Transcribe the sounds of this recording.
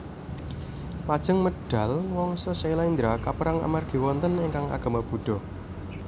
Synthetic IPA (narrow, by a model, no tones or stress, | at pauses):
pad̥ʒ̥ə̤ŋməɖ̥a̤lwɔŋsɔsilaind̪ɾakapəɾaŋa̰marɡ̥i̤wɔnt̪əneŋkaŋa̰ɡ̥a̤mab̥ṳɖ̥ɔ̤